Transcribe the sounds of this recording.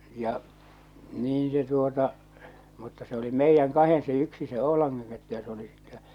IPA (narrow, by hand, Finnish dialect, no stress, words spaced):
jɑ niːn se tuotɑ mutːɑ se oli meijːæŋ kɑhen se yksi se oo̝lɑŋːɑŋ ketːu jɑ se oli sitːɛ